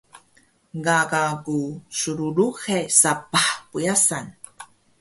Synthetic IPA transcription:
ɡaɡakusuɾuɾuxesapaħpujasan

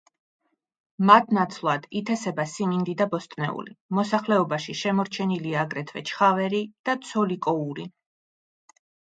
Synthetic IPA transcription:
mat̪̚ʰnat̪sʰlˠad̪̥it̪ʰɛsɛbasimind̪id̪abɔst̪ʼnɛ̰ṵlḭmɔsaχlɛɔbaʃiʃɛmɔɾt͡ʃʰɛniliaːɡɾɛt̪ʰvɛt͡ʃʰχavɛɾid̪̥at̪sʰɔlikʼɔuɾi

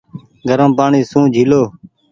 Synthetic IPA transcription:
ɡʱəɾəmpaːɳiːsũːd͡ʒʱiːloː

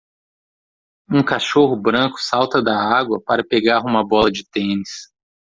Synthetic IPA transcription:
ũkaʃoɦʊbɾɐ̃kʊ̥sawt̪ɐd̪ɐaɡwɐpaɾɐpeɡaɾũmɐbɔlɐd͡ʒɪt̪ẽnɪs

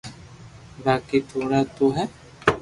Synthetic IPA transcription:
baːkit̪ʰoːɾat̪oɦɛ

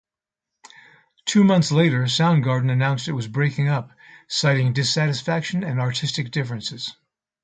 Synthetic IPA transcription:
tʰʉmʌ̃nθsleɪɾə˞sãʊ̃nɡɑɹdⁿn̩ɨnãʊ̃nstɨt̚wʌzbɹeɪkɪ̃ŋʌp̚saɪɾɪ̃ŋdɨsæɾɨsfækʃɨ̃nɨ̃nɑɹtʰɪstɨk̚d̥ɪfɹɨ̃nsɨz̥

